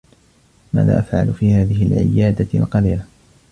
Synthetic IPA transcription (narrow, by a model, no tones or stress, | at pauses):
ma̰ːða̰ːʔafʕa̰lfiːhaːðɪɦɪlʕɪ̰jaːd̪alqɑliːla